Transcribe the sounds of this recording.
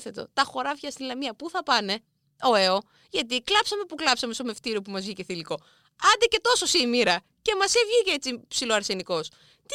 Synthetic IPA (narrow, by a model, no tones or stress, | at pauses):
θe̞t̪o̞̰t̪ɐxo̞ɾɐvʝɐst̪ilɐmiɐpuθɐpɐne̞ | o̞e̞o̞ | ʝɐt̪̬iklɐpsɐme̞puklɐpsɐme̞st̪ome̞ft̪iɾio̞pumɐzvʝice̞θiliko̞ | ɐnd̪ece̞t̪o̞so̞simiɾɐ | ce̞mɐsevʝiceet͡sipsilo̞ɐɾse̞niko̞s | t̪